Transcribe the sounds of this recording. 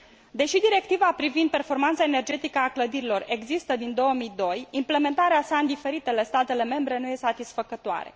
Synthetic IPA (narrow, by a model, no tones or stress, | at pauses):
d̪e̞ʃid̪iɾe̞k̚t̪ivapɾivind̪̚pe̞rfo̞rmant̪sae̞ne̞rd͡ʒe̞t̪ikəakləd̪iɾilo̞re̞ɡzist̪əd̪ind̪o̞wəmijd̪o̞jimple̞me̞nt̪aɾeasaɨnd̪ife̞ɾit̪e̞le̞st̪at̪e̞le̞me̞mbɾe̞nuje̞st̪at̪isfəkət̪oa̰ɾḛ